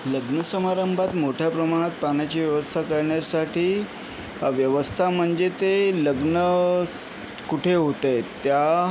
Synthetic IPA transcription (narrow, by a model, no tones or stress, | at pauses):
ləɡnəsəmaɾəmbʱat̪moʈʰjapɾəmaɽ̃at̪̚pañjat͡ɕiːʋjəʋəst̪ʰakəɾɳjaɾsaʈʰiː | ʋjəʋəst̪ʰam̤əɳd͡zet̪eləɡnə | kuʈʰeɦot̪et̪ja